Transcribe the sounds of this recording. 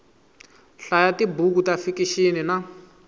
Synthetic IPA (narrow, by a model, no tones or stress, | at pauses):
ɬajatibuk̬utafikiʃinina